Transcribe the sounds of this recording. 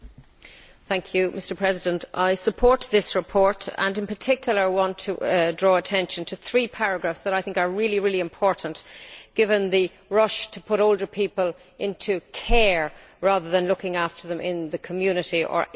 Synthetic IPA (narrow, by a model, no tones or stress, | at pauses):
θæ̃ŋkʰjʉmɪstə˞pʰɹ̥ɛzɪdə̃ntʔaɪsəpʰɔɹt̪̚ðɪsɹɪpʰɔɹɾə̰̃nɨ̃npə˞tʰɪkjl̩ˠə˞awɑ̃ntʰədɹɔːətʰɛ̃nʃə̃ntʰəθɹipʰaɹəɡɹafsðəɾaɪθɪ̃ŋkə˞ɹɪlˠiɹɪliɪ̃mpʰɔɹʔn̩ʔɡ̥ɪvə̃nðə | ɹʌʃtʰəpʰʊɾoʊlˠdə˞pʰipəl | ʔɪ̃ntʰukʰɛɹ | ɹaːðə˞ðə̃nlʊkɪ̃ŋaftə˞ðə̃mʔɪ̃nðəkʰəmjʉnɪɾiʔə̰˞